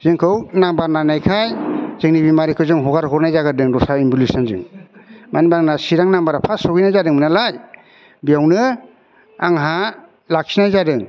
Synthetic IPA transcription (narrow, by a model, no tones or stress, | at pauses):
z̥ɯŋkʰɯwnambaɾnanajkʰajzɯŋnibimaɾikʰɯzɯŋɦɔɡaɾɦɔɾnajzaɡɯdɯŋɾɔsaimbulisanzɯ̰ŋmanibaŋnasiɾaŋnambaɾapʰasɔɡijnajzadɯŋmɯnalaj | bijawnɯ | aŋɦa | lak̚sinajzadɯŋ